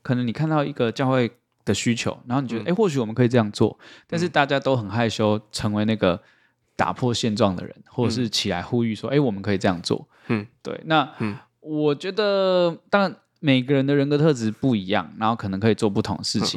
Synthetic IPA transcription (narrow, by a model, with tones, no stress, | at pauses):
kʰə˨˩nə˧˥ŋni˨˩kʰa˥˧nt̪ɑ˥˩ʊi˧˥ɡə˧t͡ɕjɑ˥˧ʊxwe˥˩ɪ | d̪̥ə˩ɕy˥t͡ɕʰjo̰˧˥ʊɻa˨˧˥xo˥˩ni˨˩ɥɛ˧˥de˥˩ɪwɕy˨˥wɔ˨˩mə˦nkʰi˨˩ʈ͡ʂɤ˥˧jɑ˥˧ŋt͡swɔ̰˥˩t̪a˥˧nʂ̬ɻ̩˥˧t̪a˥˩t͡ɕja˥t̪o˥ʊxə˨˩nxa˥˩ɪɕjo˥ʊʈ͡ʂʰɤ˧˥ŋwe˧˥ɪna˥˩ɡə˩ | t̪a̰˨˩pʰwɔ˥˧ɕjɛ˥˧nʈ͡ʂwɑ˥˩ŋd̪ə̰˩ɻə̰˧˦nxwɔ˥˩ʈ͡ʂə˨˩ʂɻ̩˥˩t͡ɕʰi˨˩la̰˧˥ɪxu˥y˥˩ʂwɔ˦˥ʔe˥˩ɪwɔ˨˩mə˦nkʰɤ˧˥i˨˩ʈ͡ʂɤ˧jɑ̰˥˩ŋt͡swɔ̰˥˩ | t̪wḛ˥˩ɪna˥˨ | wɔ˨˩t͡ɕɥɛ˧˥d̪ə˧t̪ɑ˥ŋɻa˧˨n | me˨˩ɪ˦ɡə˧ɻə˧˦nd̪ə˨ɻə˧˥nkɤ˧˥t̪ʰɤ˥˩ʈ͡ʂɻ̩˧˥pu˥˩i˧˥jɑ̰˥˩ŋna˧˥nxo˥˩kʰɤ˨nɤ˧˦ŋkʰɤ˧i˨˩t͡swɔ˥˧p̬u˥˩t̪ʰʊ̰˧ŋd̪ə˨ʂɻ̩˥˩t͡ɕʰḭ˨ŋ